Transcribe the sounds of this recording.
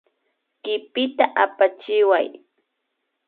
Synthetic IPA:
kɪpɪt̪aʔapat͡ʃɪwa̰j

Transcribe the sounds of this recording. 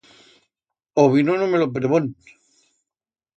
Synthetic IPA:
oβinonomelop̬ɾeβon

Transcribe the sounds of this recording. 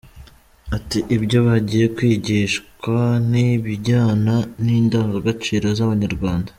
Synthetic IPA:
atiʔibɟo̞βaɟiːje̞kwiːɟiʃkwaniβiɟaːnaniːndaːŋɡaɡat͡ʃiːɾozaβaɲaɾɡwaːnda

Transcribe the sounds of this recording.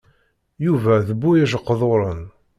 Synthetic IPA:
juvæðəbːujæʒəqːðˤoɾˤən

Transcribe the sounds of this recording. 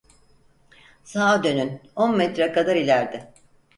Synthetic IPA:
saːd̪ø̞nynonmɛt̪ɾɛkʰad̪aɾilʲæɾd̪ɪ

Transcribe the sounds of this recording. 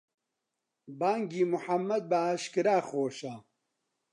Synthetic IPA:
baːŋɡiːmʊħɐmːɐd̪̚bɐaːʃkɨɾaːxoːʃaː

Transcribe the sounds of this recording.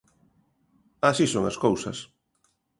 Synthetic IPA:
asisõŋa̰skowsɐ̰s

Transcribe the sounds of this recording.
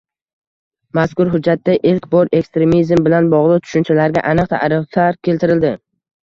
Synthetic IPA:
maskʊɾɦʊd͡ʒːat̪ːaʔɪlkbɒɾe̞kst̪ɾe̞mizmbɪlanbɒʁlˠɨt̪ʰʊ̥ʃʊnt͡ʃʰalaɾɡʲa̰ʔanɨq̚t̪ʰa̰ɾɪft̪ʰaɾkʲʰe̞lt̪ɪɾɪld̪ɪ

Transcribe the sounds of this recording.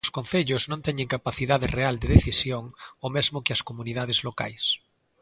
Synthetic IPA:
skõnθeʎʊznõnt̪ɛɲẽŋkapaθiðaðɪreald̪eðeθisjoŋomɛzmʊkɪɐskomunið̞að̞ɪzloka̰js

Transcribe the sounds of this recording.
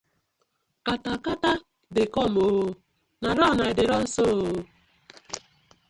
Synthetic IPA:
katakata | dɪkɔmoo | naɾɔnaɪdɪɾɔn̩sooo

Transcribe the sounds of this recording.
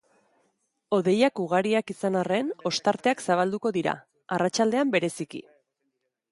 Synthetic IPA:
o̞ðe̞jakuɣ̞aɾiakisanare̞no̞st̪aɾt̪e̞aksaβ̞ald̪uko̞ðiɾa̰ | arat͡ʃald̪e̞ambe̞ɾe̞sikḭ

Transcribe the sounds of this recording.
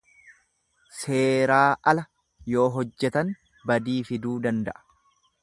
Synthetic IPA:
se̞ːɾaːʔɐlɐ | jo̞ːɦɔd͡ʒːɛt̪ɐn | bɐd̪iːfɪd̪uːd̪ɐnd̪ɐ̰ʔɐ̥

